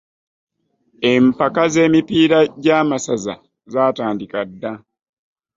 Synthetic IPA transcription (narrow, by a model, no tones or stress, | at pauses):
empakaze̞ːmipiːɾaɟaːmasaza̰ | zaːtaːndikadːa